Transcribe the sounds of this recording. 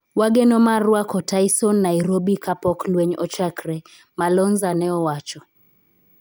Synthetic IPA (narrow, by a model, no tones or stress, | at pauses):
waɡɛnɔmaɾwakɔtaisɔnːajɾobikapɔklweɲɔt͡ʃakɾɛ | malɔnzanɛɔwat͡ʃɔ